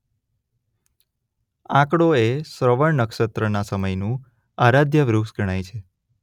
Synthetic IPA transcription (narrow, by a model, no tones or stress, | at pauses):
ãkɽoesɾəʋəɳnəkʃət̪ɾənasəməjnũ | aɾad̪ʱjəʋɾuksɡʱəɽ̃ajt͡ʃʰe